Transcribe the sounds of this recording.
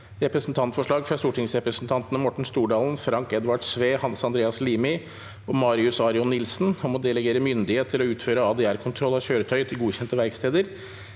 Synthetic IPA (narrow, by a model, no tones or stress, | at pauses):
ɾɛpɾəsn̩t̪ʰɑnt̪fɔʂɭɑːɡfɾɑst̪uːʈʰɪŋsɾɛpɾəsn̩t̪ʰɑnt̪ənəmɔʈɳ̩st̪uːɖɑːlnfɾɑŋkɛd̪ʋɑʈsʋeːhɑnsɑnd̪ɾeːɑsliːmɪ | ɔmɑːɾɪʉsɑɾɪɔnːɪlsnhɔmɔd̪ɛləɡeːɾəmʏnd̪ɪheːt̪t̪ʰːɪlɔʉːt̪føːɾəɑːd̪ɛæːɾkʰʊnt̪ʰɾɔlːɑçøːɾət̪ʰœʏt̪ʰɪlɡuːçɛnt̪əʋæɾkst̪ʰeːd̪əɾ